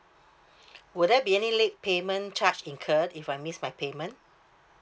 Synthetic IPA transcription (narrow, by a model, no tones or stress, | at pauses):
wudɛt̚biɛnilek̚pemə̃nt͡ʃat͡ʃĩnkʰədifajmismajpʰemə̃n